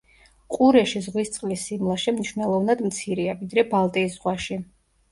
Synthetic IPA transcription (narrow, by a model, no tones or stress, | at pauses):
qʼuɾɛʃizʁwist̪sʼlisimlˠaʃɛmniʃvnɛlˠɔvnad̪mt̪sʰiɾiavid̪ɾɛbalˠt̪ʼiːsz̥ʁwaʃi